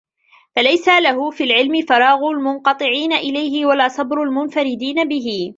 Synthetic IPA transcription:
falajsalaɦʊfiːlʕɪlmɪfɑɾˤɑːɣʊlmʊnqɑt̪ˤɨʕiːnaʔɪlajɦɪwalaɑsˤɑbɾʊlmʊnfaɾɪd̪iːnabɪɦɪ

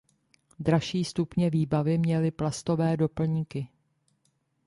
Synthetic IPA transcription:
d̪ɾaʃiːst̪upɲɛviːbavɪmɲɛlɪplast̪o̞vɛːdo̞pl̩ɲikɪ

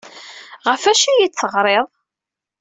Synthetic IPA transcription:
ʁəfæʃijit͡sːəʁɾˤeðˤ

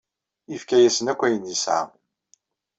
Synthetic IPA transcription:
ifkæjæsənækʷːæjənisʕa̰

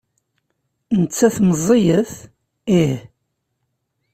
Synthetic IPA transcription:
nət͡sːæθməzˤijəθ | ih

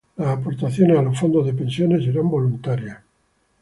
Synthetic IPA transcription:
lasapoɾt̪aθjonealosfond̪ozðepensjoneseɾambo̞lunt̪aɾja

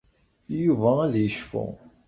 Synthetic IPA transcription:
juvææðjəʃfṵ

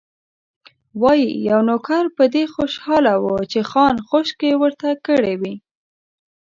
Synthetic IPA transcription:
wɑjijawnokaɾpəd̪exoʃhɑlawət͡ʃexɑnxoʃkewəɾt̪akəɽewi

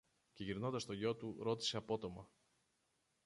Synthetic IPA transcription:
ceʝiɾnod̪ɐst̪o̞ʝo̞t̪uɾo̞t̪i̥se̞ɐpo̞t̪o̞mɐ

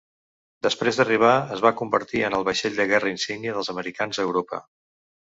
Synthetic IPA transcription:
d̪əspɾezd̪əriβ̞aəzβakumbəɾt̪iənəlˠβəʃeʎʲd̪əɣɛrəinsiɡniəðəlˠzəməɾikanzəwɾopə̰

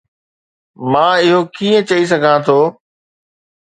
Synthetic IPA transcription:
mãːɪɦokiːə̃t͡ɕɐis̬ɐɡʱãt̪ʰoː

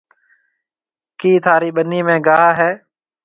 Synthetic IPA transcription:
kiːt̪ʰaːɾiːɓəniːmẽːɡaːɦaːɦɛː

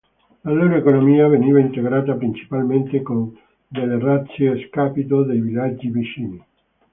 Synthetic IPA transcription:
laloːɾoekonomiːaveniːvaint̪eɡɾaːt̪apɾint͡ʃi̥palment̪ekon | d̪elːerat̪sːjeːskaːpit̪od̪ejvilad͡ʒːivit͡ʃiːni

